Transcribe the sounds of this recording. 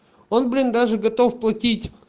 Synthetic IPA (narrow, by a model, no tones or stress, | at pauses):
o̞nblʲind̪aʐɨɡɐt̪o̞fplˠɐtʲitʲ